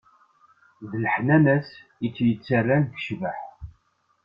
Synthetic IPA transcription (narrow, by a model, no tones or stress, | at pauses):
ðləħnænæsit͡sːjət͡sːərːænɡə̥ʃvəħ